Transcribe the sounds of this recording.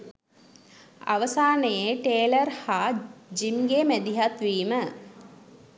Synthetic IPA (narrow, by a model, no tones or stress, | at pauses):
a̰ʋəsaːnəjeʈeːlərhaːd͡ʒimɡemæd̪iɦat̪ʋiːmə